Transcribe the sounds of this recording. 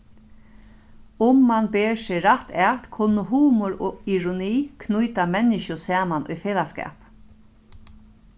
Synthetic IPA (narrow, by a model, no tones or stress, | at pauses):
ʊmːanbeːɹsɪɾat̪ɛːt̪kʰʊnːəɦuːmɔɹoːiɹʊniːkʰnujt̪amɛnːɪʃʊsɛːmanʊ̰jfeːlaskɛ̰ːp